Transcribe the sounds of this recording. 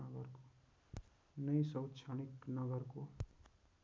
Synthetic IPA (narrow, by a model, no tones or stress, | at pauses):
ʌɡʌrko | nʌjsʌwt̪t͡ʃʰaniknʌɡʌrko